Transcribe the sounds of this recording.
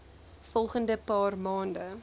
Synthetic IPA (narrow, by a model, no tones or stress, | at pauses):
fɔlˠχəndəpɑːrmɑːndə